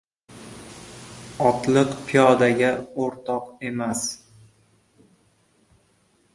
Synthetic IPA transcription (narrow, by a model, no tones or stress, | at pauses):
ɒt̪lˠɨqpʰijɒd̪aɡʲaoɾt̪ʰɒqe̞mas